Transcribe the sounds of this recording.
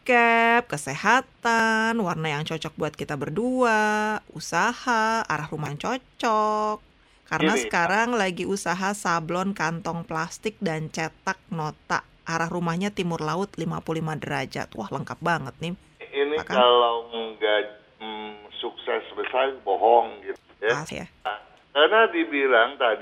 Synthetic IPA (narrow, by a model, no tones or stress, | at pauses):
kɛp̚kəsehat̪anwarnajaŋt͡ʃɔt͡ʃɔk̚buat̪̚kit̪abərduausahaa̰ɾahrumaŋt͡ʃɔt͡ʃɔkː | aɾənasə̥kaɾaŋlaɡiusaɦasablɔnkant̪ɔŋplast̪ɪk̚dant͡ʃet̪ak̚not̪a̰ʔ | ʔaɾahrumahɲat̪imʊrlaʊt̪limapuulimadəɾad͡ʒa̰t̪wa̰hləŋkap̚baŋət̪̚nɪ | inikaalawɡa | suksɛsbəsabɔɦɔŋɡit̪ujaja̰ | kanadibilaŋt̪ad